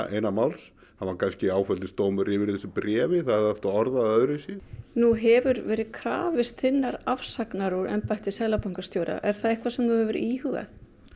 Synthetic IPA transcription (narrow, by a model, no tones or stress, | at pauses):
ḛːjnamawls | haankʰanscɪaːwfœlɪst̪oːwmʏɾɪvɪɾθɛsɪpɾɛːvɪθaðhɛðɛft̪aɔɾðaœðɾɪsjɛnuɦɛvʏɾvɛːɾɪðkʰɾa̰ːvɪst̪θɪnːaɾafsaknaɾɔɾɛ̰mpajht̪ɪsɛðlapawŋkḁst̪joːwɾa̰ʔɛɾ̥θaðehkvasɛmθuhɛvʏɾiːhʏɣa̰θ